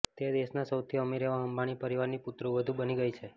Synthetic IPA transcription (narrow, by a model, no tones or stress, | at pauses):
t̪ed̪eʃnasəwt̪ʰiəmiɾeʋaɦəmbaɽ̃ipəɾiʋaɾniput̪ɾũʋəd̪ʱubəniɡəit͡ʃʰe